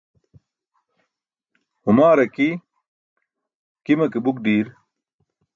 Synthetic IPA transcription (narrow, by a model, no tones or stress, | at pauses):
humaːɾɐki | kimɐkibuk̚ɖiːɾ